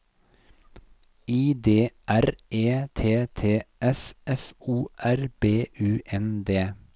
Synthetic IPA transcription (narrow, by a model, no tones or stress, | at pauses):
iːd̪eːʔæɾʔeːt̪ʰeːt̪ʰeːʔɛsʔɛfuːʔæɾb̥eːʔʉːʔɛnd̪eː